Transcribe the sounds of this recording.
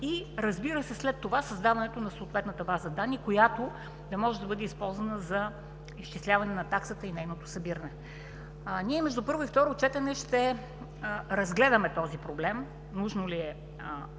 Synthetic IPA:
iɾɐzbiɾəsɛslɛt̪ːovasɐzd̪avɐnɛt̪onɐsoːt̪vɛt̪nət̪əbazəd̪anːikojat̪o | d̪ɐmɔʒɛd̪ɐbɤd̪ɛispɔlˠzvɐnəzɐ | ist͡ʃislʲavɐnɛnɐt̪aksət̪əinɛjnot̪osɐbiɾɐnɛ | niɛmɛʒd̪upɤɾvoift̪ɔɾot͡ʃɛt̪ɛnɛʃt̪ɛ | ɾɐzɡlɛd̪əmɛt̪ɔzipɾoblɛm | nuʒnoliɛ

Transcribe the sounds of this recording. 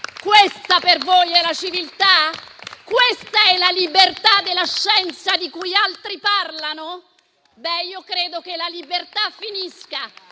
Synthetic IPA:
kwest̪apervojɛlat͡ʃivilt̪akwest̪aɛlalibert̪ad̪ːelːaʃːɛnt̪sad̪ikujalt̪ɾiparlano | bɛiːokɾeːd̪okelalibert̪afːiniska

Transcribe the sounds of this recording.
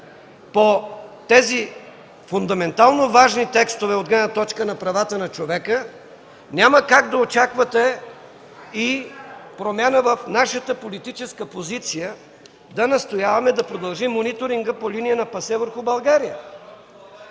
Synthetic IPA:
pot̪ɛzi | fʊnd̪ɐmɛnt̪alˠnovaʒnit̪ɛkst̪ovɛod̪ɡlɛnət̪ɔt͡ʃkənɐpɾɐvat̪ənɐt͡ʃovɛkə | nʲaməkaɡd̪ɐot͡ʃakvɐt̪ɛ | ipɾomʲjanəvɐfnaʃət̪əpolit̪it͡ʃɛskəpozit̪sijə | d̪ɐnɐst̪ojavɐmɛd̪ɐpɾod̪ɐlˠʒimːonit̪oɾiŋɡəpolinijənɐpɐsɛvəɾxubɐlˠɡaɾijə

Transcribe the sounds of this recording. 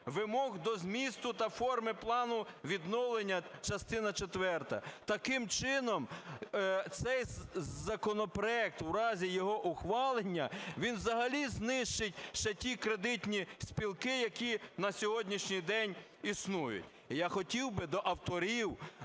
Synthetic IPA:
ʋɪmɔɣd̪ɔzmʲist̪ʊt̪ɐfɔrmɪplˠɑnʊʋʲid̪nɔwlˠenʲːɐt͡ʃɐst̪ɪnɐt͡ʃet̪ʋɛrt̪ɐ̰t̪ɐkɪmt͡ʃɪnɔm | t̪sɛjzɐkɔnɔpɾɔɛk̚t̪wɾɑzʲijɔɦɔʔʊxʋɑlˠenʲːɐʋʲinʋzɐɦɐlʲiznɪʃt͡ʃɪtʲʃt͡ʃɛtʲikɾed̪ɪtʲnʲisʲpʲilˠkɪjɐkʲinɐsʲɔɦɔdʲnʲiʃnʲijd̪ɛnʲ | isnujʊ̰tʲ | jaxɔtʲiwbɪd̪ɔʔɐwt̪ɔɾʲiw

